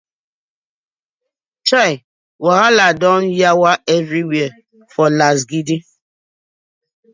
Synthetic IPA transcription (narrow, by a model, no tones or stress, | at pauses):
t͡ʃaɪ | waɦaladɔ̃njawaʔɛvɾiwiə | fɔlas̬ɡidi